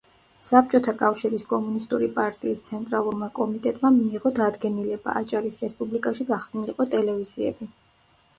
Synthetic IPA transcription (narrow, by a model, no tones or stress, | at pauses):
sap̚t͡ʃʼɔt̪ʰakʼafʃiɾiskʼɔmunist̪ʼuɾipʼaɾt̪ʼiːst̪sʰɛnt̪ʼɾalˠuɾmakʼɔmit̪ʼɛt̪ʼmamiːʁɔd̪ad̪ɡɛnilɛba̰ːt͡ʃʼaɾisɾɛspʼublikʼaʃiɡaχsniliqʼɔt̪ʼɛlɛviziɛ̰bi